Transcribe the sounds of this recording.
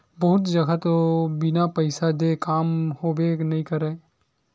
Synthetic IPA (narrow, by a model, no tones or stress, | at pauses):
bɐɦʊt̪d͡ʒɐɡat̪obɪnapɐɪsad̪ekaːmhobenɐɦĩkəɾẽː